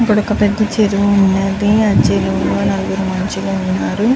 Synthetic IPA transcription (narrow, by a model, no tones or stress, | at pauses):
ɐpːuɽɔkːɐpɛd̪ːɐt͡ʃeɾuʋuunːɐd̪iɐd͡ʒeloːɡɐːnɐluɡuɾumɐɲt͡ʃiloːunːaːɾu